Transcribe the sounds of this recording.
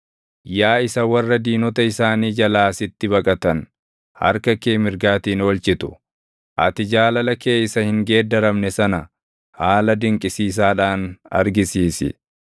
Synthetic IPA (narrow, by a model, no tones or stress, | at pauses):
jaːɪsɐwɐrːɐd̪iːnɔt̪ɐɪsaːniːd͡ʒɐlaːsɪt̪ːɪbɐkʼɐt̪ɐn | hɐ̰ɾkɐkeːmɪɾɡaːt̪iːnoːlt͡ʃɪt̪ʊ̥ | ʔɐ̰t̪ɪd͡ʒaːlɐlɐke̞ːjsːɐhɪŋɡe̞ːd̪ɐɾɐmnɛsɐnɐ | haːlɐd̪ɪŋkʼɪsiːs̬aːᶑaːnɐ̰ɾɡɪsiːsɪ̰